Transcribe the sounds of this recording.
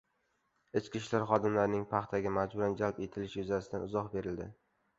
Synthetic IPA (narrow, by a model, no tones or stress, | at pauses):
ɪt͡ʃkʲɪʃlaɾχɒd̪ɪmlaɾnɪŋpʰɑχt̪ʰaɡʲamad͡ʒbʊɾand͡ʒalpe̞t̪ʰɪlɪʃjʊzasɪd̪anʊzɒχbe̞ɾɪld̪ɪ